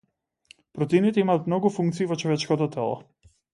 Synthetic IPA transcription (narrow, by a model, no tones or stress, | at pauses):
pɾɔt̪init̪ɛimaːt̪mnɔɡufuŋkt̪siːvɔt͡ʃɔvɛt͡ʃkɔt̪ɔt̪ʰɛlˠɔ̰